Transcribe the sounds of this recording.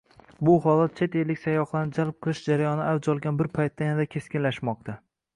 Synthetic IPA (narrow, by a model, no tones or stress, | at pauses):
bʊhɒlat̪̚t͡ʃʰe̞t̪e̞lːɪkʲsajɒχlˠanɪd͡ʒalˠp̚qʰɨlˠɪʃd͡ʒaɾajɒnɪad͡ʒɒlˠɡʲanbɪɾpʰajt̪ʰːajanad̪akʲʰe̞skʲɪnlaʃmɒq̚t̪ʰa